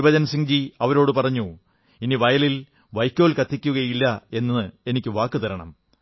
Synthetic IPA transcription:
bɐd͡ʑɐnsiŋd͡ʑiɐʋɐɾo̞ːɽɨpɐrɐɲːu | iniʋɐjɐlil | ʋɐjkʲːo̞ːlkɐt̪ːikʲːuɣɐjilːɐe̞nːɐɨe̞nikʲːɨʋaːkːɨt̪ɐɾɐɳɐ̰m

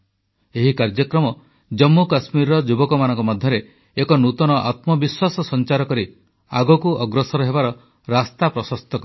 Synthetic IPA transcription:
eɦikaɾd͡ʒɔkɾɔmɔ | d͡ʒɔmːukasmiɾɾɔd͡ʒubɔkɔmanɔ̃ŋkɔmɔd̪ʱjɔɾe | ekɔnut̪ɔnɔʔa̰t̪mɔbiswasɔsɔnt͡ʃaɾɔkɔɾi | a̰ɡɔkuʔɔɡɾɔsɔɾɔɦebaɾɔ | ɾast̪apɾɔsɔst̪ɔkɔ

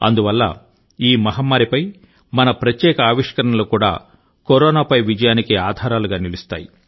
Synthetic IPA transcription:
ɐ̰nd̪uʋɐlːɐ̰ | iːmɐɦɐmːaːɾipɐj | mɐnɐpɾɐt̪jɛːkɐaːʋiʂkɐɾɐɳɐlukuːɽa̰ː | koɾɔːnaːpɐjʋid͡ʒɐjaːnikiaːd̪ʱaːɾaːluɡaːnilist̪a̰ːji

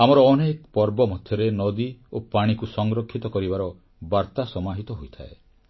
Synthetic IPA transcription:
amɔɾɔːnekɔpɔɾbɔmɔd̪ʱjɔɾenɔd̪iopaɽ̃ikusɔŋɡɾɔkʰːit̪ɔkɔɾibaɾɔ | baɾt̪asɔmaɦit̪ɔɦojt̪ʰa̰e

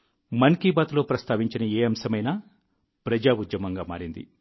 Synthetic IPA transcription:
mɐnkiːbaːt̪lo̞ːpɾɐst̪ʰaːʋiɲt͡ʃinɐeːɐmsɐmɐjnaː | pɾɐd͡ʒaːud̪jɐmɐŋɡaːmaːɾind̪ḭ

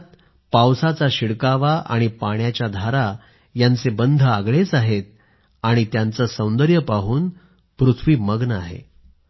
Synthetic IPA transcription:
t̪ | pawsat͡saɕiɽkaʋaʔa̰ɽ̃ipaɳjat͡ɕjad̪ʱaɾa | jant͡sebənd̪ʱəaɡɭet͡saɦet̪̚ | aɽ̃it̪jant͡səsə̃w̃nd̪əɾjəpaɦuːn | pɾut̪ʰʋiːməɡnəa̰ɦḛ

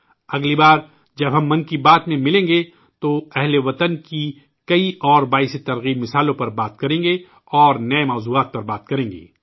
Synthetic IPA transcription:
ɐɡlibaːɾ | d͡ʒɐbɦɐ̃mːɐ̃nkibaːt̪mẽmɪlẽːŋɡe | t̪oɛɦleʋɐt̪ənki | kɐiʔɔːɾbaːɪset̪ɐɾɣiːbmɪsaːlõpɐɾbaːt̪kɐɾẽːŋɡe | ɔːɾnɐemaːzuːaːt̪̚pɐɾbaːt̪̚kɐɾẽːŋɡḛː

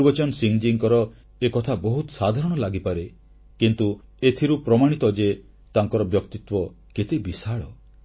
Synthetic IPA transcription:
bɔt͡ʃɔnsiŋd͡ʒiŋkɔɾɔ | ekɔt̪ʰabɔɦut̪ɔsad̪ʱaɾɔɽ̃ɔlaɡipaɾe | kint̪uet̪ʰiɾupɾɔmaɽ̃it̪ɔd͡ʒe | t̪aŋkɔɾɔbjɔk̚t̪it̪wɔ | ket̪ebisaɭɔ

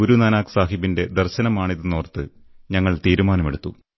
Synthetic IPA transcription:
oɾunɐnaːksaːɦibinde̞d̪ɐrɕɐnɐmaːɳiðɨnoːrt̪ːɨ | ɲɐŋːɐɭt̪iːɾumaːnɐmeɽut̪ːu

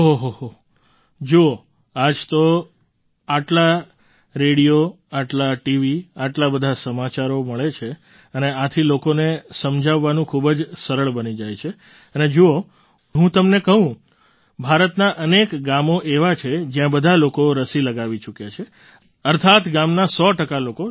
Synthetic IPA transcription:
ɦɦoɦoɦo | d͡ʒoo | ad͡ʒt̪o | aʈla | ɾeɽijo | aʈlaʈiʋiaʈlabəd̪ʱasəmat͡ʃaɾoməɭet͡ʃʰe | əneat̪ʰilokonesəmd͡ʒʱaʋːanũkʰubd͡ʒsəɾəɭbənid͡ʒajt͡ʃʰe | əned͡ʒoo | ɦũt̪əmnekəɦũ | bʱaɾət̪naʔənekɡamoʔeʋat͡ʃʰed͡ʒjãbəd̪ʱalokoɾəsiləɡaʋit͡ʃukjat͡ʃʰe | əɾt̪ʰat̪ɡamnasɔʈəkaloko

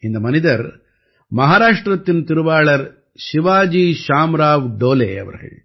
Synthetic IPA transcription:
ind̪ɐmɐnid̪ɐɾ | mɐɦaːɾaːʂʈɾɐt̪ːinut̪iɾuʋaːɭɐɾ | ʃiʋaːd͡ʒiʃaːmɾaːʋɖ̪oːlḛːɐ̰ʋɐ̰ɾɐɦḛːɭ

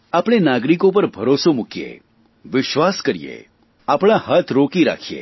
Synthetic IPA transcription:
apɳ̃enaɡɾikõp̬əɾbʱəɾosomʊkijḛ | ʋɪʃʋaskəɾḭjḛ | apɽ̃ahət̪ʰɾokiɾa̰kʰijḛ

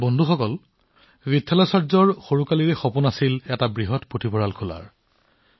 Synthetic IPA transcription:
bɔndʱuxɔkɔl | vitʰːalɔsɔɹzɔɹxoɹukaliɹɛxopunasilɛtabɹiɦɔtpotʰibʰʱɔɹalkʰula̰ɹ

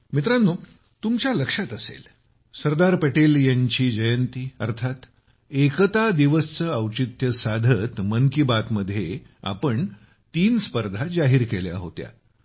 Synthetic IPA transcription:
mit̪ɾanːo | t̪umt͡ɕjaləkʂat̪əsḛl | səɾd̪aɾpeʈeljaɲt͡ɕiːd͡ʑəjənt̪iəɾt̪ʰat̪ | ekət̪ad̪iʋəst͡səəwt͡ɕit̪jəsad̪ʱət̪məŋkibat̪məd̪ʱːjea̰pəɳ | t̪iːnspəɾd̪ʱad͡zaɦiːɾkelja̰ɦo̰t̪ja̰

